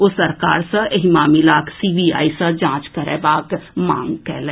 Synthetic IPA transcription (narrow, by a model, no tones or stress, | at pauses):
osəɾka̰ːɾsə̃eɦimaːmilaːksiːbia̰ːisə̃d͡ʒãːt͡ʃkəɾɛ̰ːbaːkmã̰ːŋɡkɛːlẽː